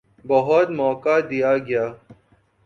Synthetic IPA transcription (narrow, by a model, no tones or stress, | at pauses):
bɐɦɔt̪mɔːkad̪ijaːɡɪjaː